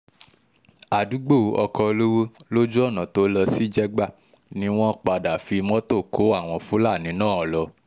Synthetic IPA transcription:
a˨du˨˦ɡ͡bo˦˨˦ʔɔ˧kɔ˧lo˦wo˦lo˦d͡ʒo˦ɔ˦˨nã˨to˨˦lɔ˧si˦d͡ʒɛ˦ɡ͡ba˦˨ | nĩ˦w̃ɔ̃˦k͡pa˧da˨fi˧˦mɔ̃˦to˦˨kʰo˨˦a˦˨w̃ɔ̃˧fu˨˦la˦˨nĩ˨˦nãː˦˨ɔ˨lɔ˧

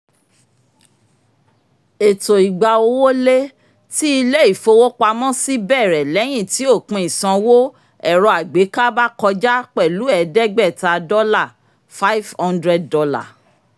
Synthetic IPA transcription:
e˨to˨i˨ɡ͡ba˨o˧wo˦le˦ | ti˦i˧le˦i˦˨fo˧wo˦k͡pa˧mɔ̃˦si˦bɛ˦˨ɾɛ˨lɛ˨˦j̃ĩ˦˨ti˨˦o˦˨k͡pũ˧˦i˨sã˧wo˦ | ɛ˦˨ɾɔ˧a˨ɡ͡be˨˦ka˦ba˦kɔ˧d͡ʒa˦k͡pɛ˦˨lu˨˦ɛ˨dɛ˦ɡ͡bɛ˦˨ta˧dɔ˦la˦˨ | fa˦i˦vhɔ̃˦ndɾɛ˦d̚dɔ˧la̰˦˨

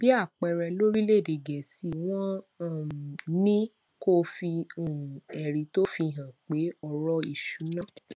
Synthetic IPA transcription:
b̥i˦a˦˨k͡pɛ˧ɾɛ˧lo˦ɾi˦le˦˨de˨ɡɛ˨si˨˦w̃ɔ̃˦˨ | nĩ˦ | ko˦fi˧õ˨ɛ˨ɾi˨˦to˦fi˧˨ɦã˨k͡pe˨˦ɔ˧ɾɔ˧i˦˨ʃu˨˦nãː˦˨

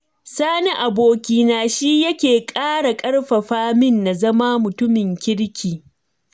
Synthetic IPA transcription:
saː˦ni˦ʔa˨boː˨kʲiː˨naː˨ʃi˦jɐ˦kʲeː˨kʼaː˦ɽa˨kʼɐ˦ɽɸɐ˨ɸaː˦mɪ˦nːa˨zɐ˦maː˦mʊ˨tʊ˦mɪ˨ŋkʲɪ˦ɽkʲiː˨

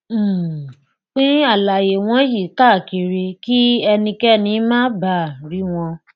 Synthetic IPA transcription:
k͡pĩ˦a˦˨la˨je˨w̃ɔ̃˦ji˦˨˦ta˦˨ke˨ɾe˧ki˦ɛ˧nĩ˧kɛ˦nĩ˧˦mãː˦ba˦˨ɾi˨˦w̃ɔ̃˧

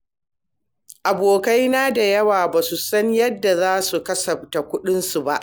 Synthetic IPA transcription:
ʔa˨boː˨ka˦jnaː˦da˨jɐ˦waː˨baː˨su˨sɐ˦ɲjɐ˦dːa˨zaː˦su˨kɐ˦sɐ˨ɸta˨kʷʊ˦ɗɪ˦nsu˨ba˦ʔ

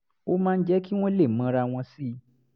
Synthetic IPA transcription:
o˦mãː˦˧n̩˦d͡ʒɛ˦ki˦w̃ɔ̃˦le˦˨mã˨˧˦ɾa˧w̃ɔ̃˧si˦

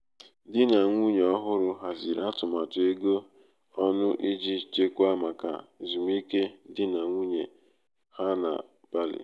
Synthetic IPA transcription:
dɪ˦na˨ŋʷu˦ɲe˨ɔ˦ɦʊ˦ɾʊ˦ɦa˨zi˨ɾa˦tʊ˨ma˨tʊ˨e˦ɡo˦ | ɔ˦nʊ˦ʔi˦d͡ʒi˦t͡ʃe˦kʷa˦ma˨ka̰˨zu˨m˦i˦ke˦dɪ˦na˨ŋʷu˦ɲe˨ | ha˦na̰˨ | b̥a˦lɪ̰˨

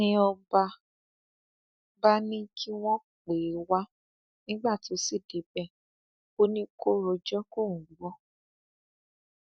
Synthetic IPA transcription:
nĩ˦ɔ˧ba˧ | ba˦nĩ˦kʰi˦w̃ɔ̃˦ | k͡pe˨˦wa˦ | nĩ˦ɡ͡ba˦˨to˨˦si˦˨de˨˦bɛ˦˨ | o˦nĩ˦ko˦ɾo˧d͡ʒɔ˦ko˦˨ŋ̩̃˨˦ɔ˦

